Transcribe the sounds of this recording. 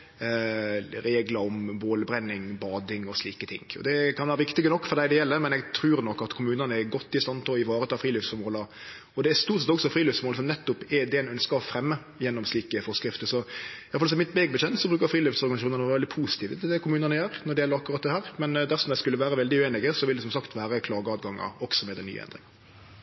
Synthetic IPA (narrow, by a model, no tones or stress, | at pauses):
ɾeːɡlɑɾɔmboːləbɾɛnːɪŋbɑːd̪ɪŋɔsliːkət̪ʰɪ̰ŋːɔ̰d̪ɛkʰɑnʋæːɾəʋɪkt̪ɪɡənɔkːfɔɾd̪æɪd̪ɛjɛlːəmɛnɛɡt̪ʰɾʉːɾnɔkːɑt̪kʰʊmʉːnənəɛɡɔt̪ːɪst̪ɑnːp̪ʰɔlɔɪʋɑːɾət̪ʰɑːfɾiːløːfsfɔɾmoːlɑ | ɔd̪ɛæst̪uːɾt̪sɛt̪ɔksɔfɾiːløːfsfɔmoːlsɔmnɛt̪ːʊpɛd̪ɛnœnskɑfɾɛmːə | jɛnːɔmsliːkəfɔɾskɾɪft̪əsɔjɑflsɔmɪt̪̚bɛɡbəçɛnt̪sɔbɾʉːkəɾfɾiːlyfsɔɾɡɑnsʃuːnɑnːʋɛld̪ɪpʰusɪ̥t̪ʰiːʋət̪ʰɪld̪ɛkʰʊmʉːnənəjøːɾnɔɖ̪ɛɪjɛlːəɾɑkːʉɾɑt̪̚d̪ɛhæːɾmɛnd̪æɾsɔmd̪æɪskʉlːəʋæːɾəʋɛld̪ɪʉːeːnɪɡəsɔʋɪld̪ɛsɔmsɑkt̪ʋæːɾəkʰlɑːɡəɑt̪ɡɑŋːɑ̰ɔksɔmɛd̪æny̰ːə̰ɛ̰nd̪ɾɪŋɑ